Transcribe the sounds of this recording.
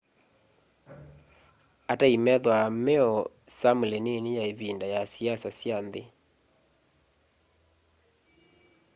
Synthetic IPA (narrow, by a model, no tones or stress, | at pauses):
ataimɛðwameɔ | samulenenijaeβindajasiasasjanðe